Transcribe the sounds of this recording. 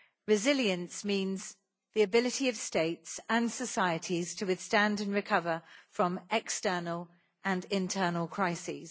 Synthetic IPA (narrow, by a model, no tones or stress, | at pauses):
ɹɪzɪljə̃nsmĩːnz | ðiəbɪlɪtʰiəv̥steɪtsə̃nsəsaɪətʰiz̥tʰəwɪð̥stæ̃ndə̃nɹɪkʰʌvəfɹə̃mɛkstɜːnəlˠ | ʔə̃nɪ̃ntʰɜːnəlˠkʰɹ̥aɪsḭz̥